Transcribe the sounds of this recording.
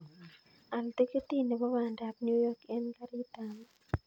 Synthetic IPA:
a˨lte˦ke˦ti˦ne˨bɔ˦wa˨nda˨p̚nu˦jɔ˦kɛ˦nka˦ɾɪ˦ta˨m

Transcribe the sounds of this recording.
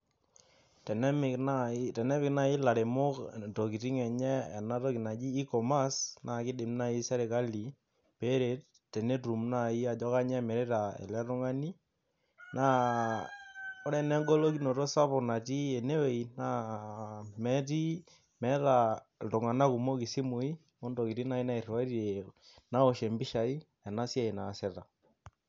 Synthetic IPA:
tɛ˨nɛ˦mɪ˨kna˦tɛ˨nɛ˦pɪ˨kna˦ɪ˦la˨ɾe˨mʊ˦kto˨ki˨ti˦ŋɛ˨ɲɛ˦ɛ̰˨na˦tɔ˦ki˨na˨d͡ʒiː˦kɔ˨ma˦sna˨kɪ˦dɪ˨mna˦i˦sɛ˦ɾe˨ka˦li˨ | pe˦ɾe˨˦t̚ | tːɛ˨ne˦tu˨mna˦i˦a˨d͡ʒɔ˦ka˦ɲɛ˦mɛ˨ɾe˦ta˨ɛ̰˨lɛ˦ɾʊ˦ŋa˦ni˦ | na˦ | o˦ɾɛ˦nɛ˦ŋɡɔ˦lo˦ki˦no˨tɔ˦sa˦pɔ˨na˨ti˦ɛ˨ne˦we˨i˨na˦ | mɛ˦ti˦ | mɛ˦ta˨ | ltɔ˨ŋa˨na˦ku˨mo˦ki˨si˦mu˨i˦ | ɔ˦ndo˨ki˨ti˦na˦i˦na˦i˨rwa˦ɾe˨ | na˦ɔ˨ʃɛ˨mbi˦ʃa˨i˦ | ɛ˨na˦sja˦˨i˨na˨sɛ˨ta˨

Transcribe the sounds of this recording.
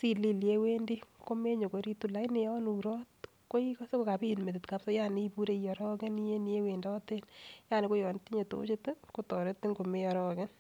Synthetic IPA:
si˦li˨lje˦we˦ndi˦ko˦me˦ɲo˨ko˨ɾi˦tu˦la˦ine˦jɔ˦nuɾɔ˦t | ko˦i˦kɔ˦se˦ko˦ka˨pi˦˨nme˨tɪt̪ka˦psɔ˦ja˦ne˦i˦pu˦ɾe˦ijɔ˨ɾɔ˦ke˦ni˦je˦ne˦we˨ndɔ˦te˦nja˦ne˨ko˦jɔ˨ntːi˦ɲe˨to̰˦t͡ʃe˦te˦ko˦tɔ˨ɾe˦tːi˦ŋɡo˨me˦jɔ˨ɾɔ˦ke˦n

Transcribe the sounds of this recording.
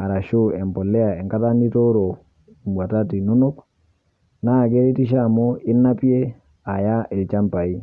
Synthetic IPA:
a˨ɾa˨ʃu˦ɛ˨mpɔ˨lːɛ˦a˨ɛ˨ŋka˦ta˦ndi˦to˦ɾo˨ | i˨mwa˨ta˦ti˨nu˦nu˦k | na˦˨ɡe˦ɾi˦ti˦ʃ̬a˦˨mo˦i˦nːa˦pi˦e˦ | a˨ja˦ʔi˨lt͡ʃa˦mpa˨i˦

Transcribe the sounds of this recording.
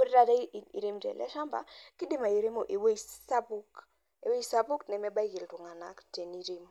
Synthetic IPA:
o˦ɾɾa˨ta˦˨ḭ˨ɾi˦mtɛ̰˨lɛ̰˦ʃa˦mba̰˨ki˦di˦ma˨i˨ɾe˦mo˨ʔi˨we˦i˨sa˦bu˦k | ḛ˨we˦i˦sa˦bu˦knɛ˨mɛ˦ba˦i˦ki˨ltu˨ŋa˨na̰˨˦kte˨ni˦ɾi˦m

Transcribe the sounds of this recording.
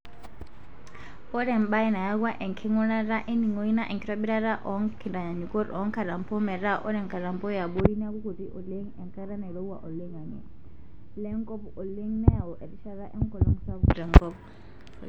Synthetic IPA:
ɔ˦ɾɛ˨mba˦ɛ˦na˨ja˦ɡwa˦ʔɛ˨ŋkʰɛ˦ŋɔ˦na˦ɾa˦ʔɛ˦ni˨ŋɔ˦i˦na˦ʔɛ˨ŋki˦ta˦bi˦ɾa˦ɾa˦ʔɔ˨ŋkʰi˨nda˨ɲa˨ɲu˨kɔ˦ɾɔ˨˦ŋka˨ɾa˨mpɔ˦mɛ˨ɾa˦ʔɔ˦ɾɛ˨ŋka˨ɾa˨mpɔ˦ja˨ɓo˦ɾi˦n˦a˦ku˦ku˨ti˦ʔɔ˨le˦ŋɛ˨ŋka˦ɾa˦na˨i˨ɾɔ˦u˦wa̰˨ʔɔ˨le˦ŋa˨ŋɛ̰˨ | lɛ˦ŋkɔ˦pɔ˨le˦ŋnɛ˦ja˨ɔʔɛ˨ɾi˦ʃa˨ɾa˦ʔɛ˦ŋkɔ˨lɔ˦ŋsa˦ɾɛ˨ŋkɔ˦p

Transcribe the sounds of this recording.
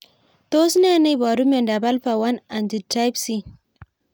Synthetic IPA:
to˦si˦n˦a˦˨na˦˨ba˨ɾu˦mɛ˨nda˨ba˦lɸa˨wa˦na˨ndi˨ta˦jbsi˦

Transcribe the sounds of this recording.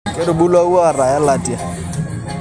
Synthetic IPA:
kʼɪ˦ɾʊ˨bu˦la˦u˦a˨ra˨ɛ˦la˨tʼi˨a˨

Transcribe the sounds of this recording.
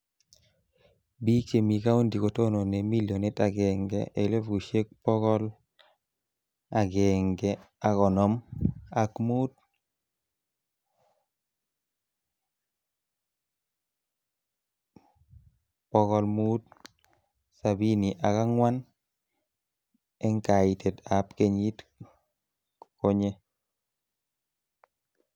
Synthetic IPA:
bi˦t͡ʃe˨mi˨ka˦u˦ndi˨ko˨to˦no˨ne˨mi˦ljɔ˨ne˦ta˨ɡɛ˨ŋɡɛ̰˨ʔe˨lɛ˦fɡu˨ʃe˦k̚pɔ˦ɡɔ˦l | a˨ɡɛ˨ŋɡɛ˨ | a˨kɔ˨nɔ˦ma˨kmu˦t̚ | pɔɣɔ˨lmuː˦t̚ | sabini˨ʔa˨ka˦ŋwa˦n | ɛ˦ŋka˨i˨te˨tapke˦ɲi˦t | ko˦ɲe˦

